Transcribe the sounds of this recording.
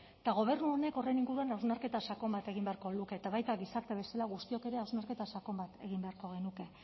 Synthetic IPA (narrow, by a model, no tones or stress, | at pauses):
t̪aɣ̞o̞β̞e̞rnuo̞ne̞ko̞rejniŋɡuɾuanawznaɾke̞t̪asako̞mbat̪e̞ɣ̞imbeaɾko̞luke̞ːt̪aβajt̪aɣisaɾt̪e̞βe̞salaɣust̪io̞ke̞ɾe̞awznaɾke̞t̪asako̞mbat̪e̞ɣ̞imbe̞aɾko̞ɣ̞e̞nuke̞